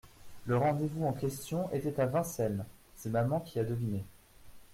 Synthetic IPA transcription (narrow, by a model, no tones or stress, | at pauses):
ləʁɑ̃d̪evuɑ̃kʲɛst̪jɔ̃ʔet̪ɛt̪avɛ̃sɛl | semamɑ̃kʲiad̪əvine